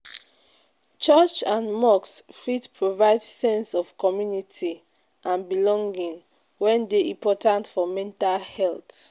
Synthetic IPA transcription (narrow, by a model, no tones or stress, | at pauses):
t͡ʃɔt͡ʃãnmɔksfitpʰɹovaɪdsɛ̃nsɔfkɔmjunitʰi | ʔãnbilɔ̃ŋɡĩŋ | wɛ̃ndeʔĩmpɔtãntfɔmɛ̃ntalhɛlt